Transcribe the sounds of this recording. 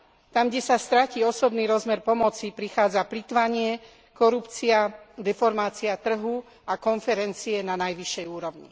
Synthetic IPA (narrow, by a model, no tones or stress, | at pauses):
t̪amɡɟɛsast̪ɾaciːɔsɔbniːɾɔzmɛɾpɔmɔt͡sipɾixaːd͡zaplit̪ʋaɲɪɛ | kɔɾupt͡siad̪ɛfɔɾmaːt͡siat̪r̩ɦu | akɔnfɛɾɛnt͡siɛnanajʋiʃːɛjuːɾɔʊɲḭ